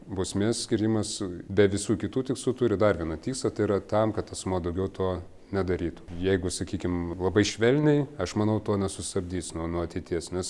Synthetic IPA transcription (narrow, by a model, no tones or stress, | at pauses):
bʊːsʲmʲeːssʲkʲɪɾʲiːmɐsbʲɛʋʲɪsuːkʲɪt̪uːt̪ʲɪkslˠuːt̪ʊɾʲɪd̪ɐrʋʲiɛnɐtʲiːksˠɐt̪ɐɪiɾɐt̪ɐmkɐt̪ɐsmuːd̪ɐʊɡʲɛʊt̪oː | nʲɛd̪ɐɾʲiːt̪u̥jɛɪɡʊsɐkʲiːkʲɪmlˠɐbɐɪʃʲʋʲɛlʲnʲɛɪɐʃmɐnɐʊt̪oːnʲɛsʊst̪ɐbʲd̪ʲiːsnuɔnuɔɐt̪ʲɛɪt̪ʲiɛsnʲɛs